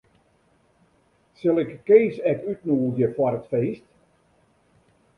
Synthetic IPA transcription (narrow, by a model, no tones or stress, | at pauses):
sɪlˠɪkkːeːsɛkytnuːlˠdjəfwɔɾətfeːst